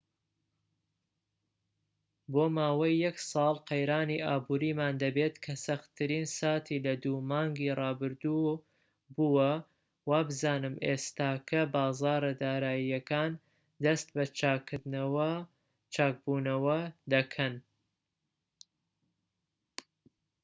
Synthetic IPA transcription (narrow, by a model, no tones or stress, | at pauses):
boːmaːwɐjːɐksˤɑːlˠqɐjɾaːniːʔaːbuːɾiːmaːnd̪ɐbeːt̪kʰɐsɐxt̪ʰɨɾiːnsaːt̪ʰilɐd̪umɑːŋɡiːrɑːbɨɾd̪u | buwɐ | waːbɨzaːnɨmʔḛːst̪aːkʰɐbɑːzɑːɾɐd̪aːɾaːjijɐkaːn | d̪ɐst̪̚bɐt͡ʃk̪ | t͡ʃaːk̚buːnɐwɐd̪ɐkʰɐn